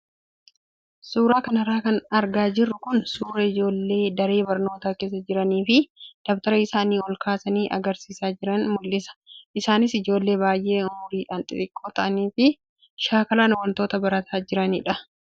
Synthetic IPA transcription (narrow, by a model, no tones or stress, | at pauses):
suːɾaːkɐnɐɾaːkɐnɐɾɡaːd͡ʒɪrːʊkʊnsuːɾɐɪd͡ʒo̞ːlːe̞ːd̪ɐɾe̞ːbɐɾno̞ːt̪aːke̞ːs̬ːɐd͡ʒɪɾɐniːfɪd̪̥ɐbt̪ɐɾɐɪsaːniːɔlkaːsɐniːʔɐ̰ɡɐɾsiːsaːd͡ʒɪɾɐnmʊlːɪsɐ̥ʔɪsaːnɪsɪd͡ʒo̞ːlːe̞ːbaːjʔe̞ːʊmʊɾiːᶑaːnt̪ʼɪɾɪkʼːoːt̪ɐʔɐniːfɪ | ʃaːkɐlaːnwɐnt̪o̞ːt̪ɐbɐɾɐt̪ʰaːd͡ʒɪɾɐnɪ̰ᶑɐ